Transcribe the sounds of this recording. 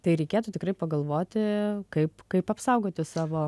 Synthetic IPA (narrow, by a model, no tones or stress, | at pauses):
t̪ɐɪɾʲɛɪkʲeːt̪ʊt̪ʲɪkɾɐɪpɐɡɐlˠʋoːt̪ʲɪkɐɪpkɐɪpɐpsɐʊɡoːt̪ʲɪsɑːʋoː